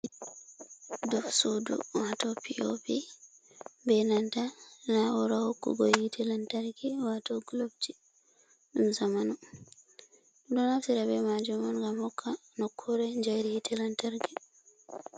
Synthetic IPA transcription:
dɔfsudṵwatɔpʰio̰pi | bɛnantanawɔɾahokːṵɡɔjhitʰɛlantaɾɡiwatɔɡlobti | ɗumzamanɔ | dɔnafsiɾabɛmad͡ʒumanŋɡamhɔkʰːanɔkʰːɔɾɛɲd͡ʒajɾihitʰɛlantaɾɡi

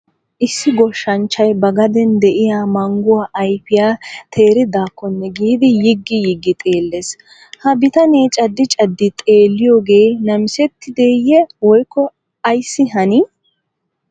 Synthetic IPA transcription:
ʔɪsːɪɡɔʃːɐnt͡ʃːɐjbɐɡɐd̪ɛnd̪ɛʔɪjaːmɐŋɡʊwaːʔɐjfɪjaːt̪ʰe̞ːɾɪd̪aːkːɔnːɛɡiːd̪ɪjɪɡːɪjɪɡːɪt̪ʼe̞ːlːeːs | hɐbɪt̪ɐneːt͡ʃʼɐd̪ːɪt͡ʃʼɐd̪ːɪt̪ʼe̞ːlːɪjoːɡe̞ːnɐmɪsɛt̪ːɪd̪e̞ːjɛwɔjkːɔ | ɐjsːɪɦɐnɪ

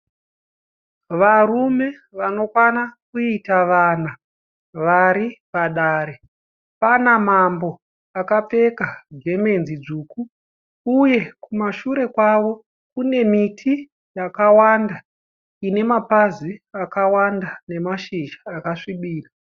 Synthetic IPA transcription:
ʋarume̞ʋano̞kwanakuitaʋana | ʋaɾipaɗaːɾe | panamambo̞ | akap͡fe̞kaɡʱe̞me̞nzid͡zuːku | uje̞kumaʃuɾe̞kwaʋo̞ | kune̞mitʰi | jakawanda | ine̞mapaziakawandane̞maʃiʒaːkaʂiɓiːra

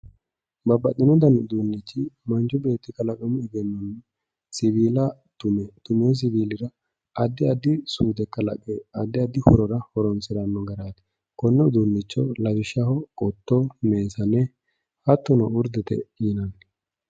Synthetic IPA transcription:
bɐbːɐt̪ʼːɪnɔd̪ɐnʊd̪uːnːɪt͡ʃːɪmɐnt͡ʃʊbe̞ːt̪ːɪkɐlɐkʼɔmɛɡɛnːɔnːɛ | sɪbiːlɐtʊt̪ʊmeːs̬ɪviːlɪɾɐ | ɐd̪ːɪɐd̪ɪsuːd̪ɛkːɐlɐ̰kʼɛɐd̪ːɪɐd̪ɪhɔɾɔɾɐhɔɾɔnsɪɾɐnːɔɡɛɾaːt̪ɛ̥ | kɔnːɛʊd̪unːɪt͡ʃːɔlɐd͡ʒɪʃɐhɔkʼɔt̪ːɔmeːsɐnɛ | hɐt̪ːʊnɔʊɾd̪ɛt̪ɛ̰jɪnɐn

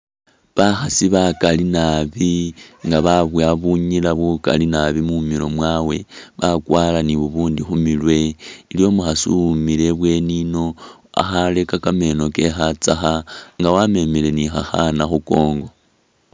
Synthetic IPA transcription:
βaxasiβakalinaβiŋɡaβaβwaβuɲilaβuka̰linaβimumilo̞̰mwaːwe̞βakwaːlaniβuβuːndixumilwe̞iljo̞muxasumile̞βwe̞nino̞a̰xale̞kakame̞no̞ke̞xat͡saxaŋɡawame̞mele̞nixaxanaxuko̞ːŋɡo̞

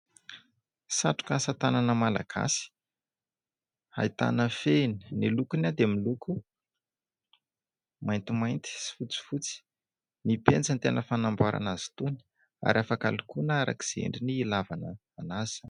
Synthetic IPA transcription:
saʈ͡ʂu̥kasat̪ananəmala̰ɡ̥a̰si̥ | a̰it̪a̰nəfeni̥nilukunad̪emiluku | majnt̪imajnt̪i̥si̥fut͡si̥fut͡si̥ | nipend͡zant̪enəfanambaɾʔa̰nazi̥t̪uni̥ | a̰ɾʔafaka̰lukunaaɾa̰ki̥z̥ḛɳɖ͡ʐiniːlavanə | anaz̥

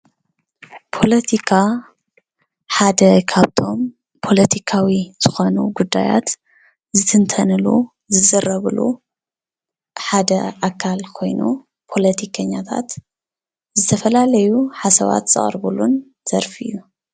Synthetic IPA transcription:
pʰo̞lɐt̪ʰikʰa | ħad̪ɐkʰaβt̪ʰo̞m | pʰo̞lɐt̪ʰikʰawiz̥ɨxo̞nṵɡud̪ːa̰ja̰t̪ | zɨt̪ʰɨnt̪ʰɐnɨlṵ | zɨzɐɾɐβlṵ | ħad̪ɐ̰ʔakʰːalkʰo̞jnṵ | pʰo̞lɐt̪ʰikʰɐɲːat̪ʰa̰t̪ | zɨt̪ʰɐfɐlalɐjuħasɐβa̰t̪z̥ɨ̰χʼɾbulun | z̥ɐɾfɨjːu

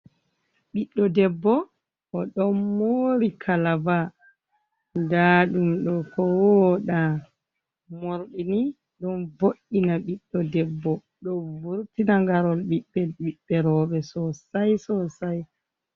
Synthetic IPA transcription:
ɓiɗːɔdɛbːɔ | ʔɔɗɔnmoːɾikʰalaba | daːɗumɗɔkɔwɔɗa | moɾɗini | ɗɔnvoʔːinaɓiɗːɔdɛbːɔ | ɗɔvuɾtinaŋɡaɾɔlɓiɓːɛlɓiɓːɛɾɔːɓɛsɔsajsɔsaj

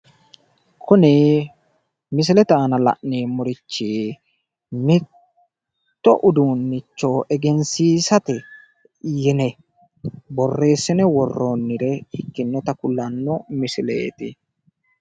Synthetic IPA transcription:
kʰʊnɛ | mɪs̬ɪlɛt̪aːnɐlɐ̰ʔneːmʊɾɪt͡ʃːiː | mɪt | t̪ːɔ̰ʔʊd̪uːnːɪt͡ʃːoʔɛɡɛnsiːsɐt̪ɛ | jɛnɛ | bɔrːe̞ːsːɪnɛwɔrːoːnːɪɾɛɪkːɪnːɛt̪ɐkʊlːɐnːɔmɪsɪlḛːt̪ɪ

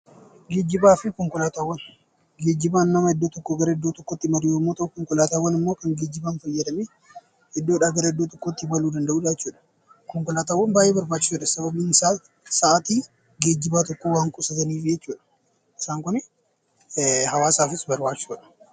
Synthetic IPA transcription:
ɡe̞ːd͡ʒːɪbaːfɪkɔŋkɔlaːt̪aːwːɐn | ɡe̞ːd͡ʒːɪbaːnːɐmɐɛd̪ːoːt̪ɔkːoɡɐɾɐɛd̪ːoːt̪ɔkːot̪ːɪmɐɾɪjoːmːoːt̪ɐʔʊkɔŋkɔlaːt̪aːwːɐnɪmːo̞ːkɐŋɡeːd͡ʒːɪbaːnfɐjːɐd̪ɐme | hɛd̪ːoːɪᶑaːɡɐɾɐɛd̪ːoːt̪ɔkːot̪ːɪbɐluːd̪ɐnd̪ɐʔuːᶑat͡ʃːuːᶑɐ̥ | kɔŋkɔlaːt̪aːwːɐnbaːʔjeːbɐɾbaːt͡ʃːɪ̥suːᶑɐsɐbɐbiːnsa | sɐʔat̪iː | ɡe̞ːd͡ʒːɪbaːt̪ɔkːoːwaːŋkʼʊsɐt̪ɐniːfɪd͡ʒɛt͡ʃːuːᶑɐ̥ | ʔɪsaːŋkʊn | ɦɐwaːsaːfɪsbɐɾbaːt͡ʃːuːᶑɐ̥

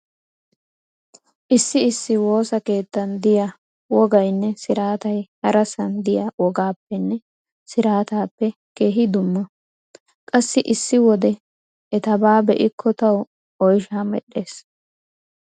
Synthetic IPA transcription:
ʔɪsːɪɪsːɪwo̞ːsɐke̞ːt̪ːɐnd̪ɪjɐ | wɔɡɐjnːɛsɪɾaːt̪ɐjhɐɾɐsɐnd̪ɪjɐwɔɡaːpːɛnːɛ | sɪɾaːt̪aːpːɛ | ke̞ːɦɪd̪ʊmːɐ | kʼɐsːɪʔɪsːɪwɔd̪ɛ | ɛt̪ɐbaːbɛʔɪkʰːɔt̪ɐw | ɔjʃaːmɛ̰ɗːe̞ːs

